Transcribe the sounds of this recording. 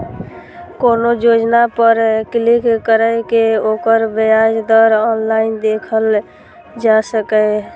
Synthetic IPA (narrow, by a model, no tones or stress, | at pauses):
konod͡ʒod͡ʒnapəɾklikkəɾəjkeoːkəɾbəjad͡ʒd̪əɾɔnlaɪnd̪ekʰəl | d͡ʒasəkɛ